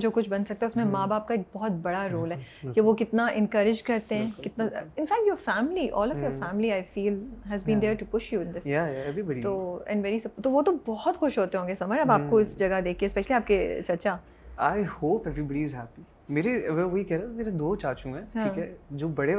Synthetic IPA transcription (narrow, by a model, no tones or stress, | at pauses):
d͡ʒoːkʊt͡ʃʰbɐnsɐkt̪aɦɛʊsmẽmaːbaːb̚kaeːk̚bɔɦɔt̪̚bɐɽaɾoːlɦɛːkeʋokɪt̪naʔɛ̃nkɐɾɪd͡ʒkɐɾt̪ẽɦɛ̃kɪt̪naɪ̃nfæːk̚ʈjoːɾfæːmliʔɔːlɔʋfjɔːɾfæːmliaɪfiːlɦɛzbĩːnd̪eːɾʈupʊʃjuɪ̃nd̪ɪsjajaɛʋɾibəɖit̪oːɛ̰̃nʋɛɾisɐpt̪oʋot̪obɔɦɔt̪xʊʃɦoːt̪eɦõːŋɡesɐməɾɐbaːp̚koɪsd͡ʒɐɡad̪eːkʰiespɛʃliaːp̚ket͡ʃɐɾt͡ʃa | aːɪhoːpɛʋɾibəɖiɪzɦæːpi | meːɾeʋɛʋoɦikɛɦɾẽɛ̃meːɾed̪oːt͡ʃaːɾt͡ʃũɦɛ̃ɦãĩkɛd͡ʒoːbɐɽe